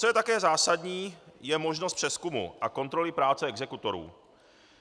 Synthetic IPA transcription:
t͡so̞jɛt̪akɛːzaːsadɲiːjɛmoʒnost̪pr̥ɛskumṵʔako̞nt̪ɾo̞lɪpɾaːt͡sɛɛɡzɛkut̪o̞ɾṵː

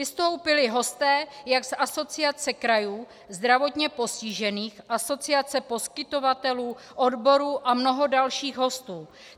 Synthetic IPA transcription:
ɪst̪o̞wpɪlɪɦo̞st̪ɛːjaɡsaso̞t͡sɪat͡sɛkɾajuː | zd̪ɾavo̞t̪ɲɛpo̞sciʒɛniːxʔaso̞t͡sɪat͡sɛpo̞skɪt̪o̞vat̪ɛluː | ʔo̞dbo̞ɾuːʔamno̞ɦo̞dalʃiːɣɦo̞st̪uː

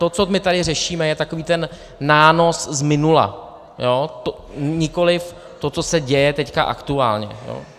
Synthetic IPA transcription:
t̪o̞t͡somɪt̪adɪrɛʃiːmɛjɛt̪akoviːt̪ɛnː | aːno̞szmɪnula̰ | joːt̪o | ɲɪko̞lɪf | t̪o̞t͡sosɛɟɛjɛt̪ɛcka̰ʔa̰kt̪ua̰ːlɲɛ̰jo̰ː

